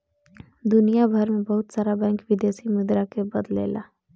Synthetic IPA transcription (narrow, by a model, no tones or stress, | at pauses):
d̪ʊnijabʱɐɾmẽbɐɦʊt̪saːɾabɛ̃ːŋkʋɪd̪eːsimʊd̪ɾakebɐd̪lḛːla̰ː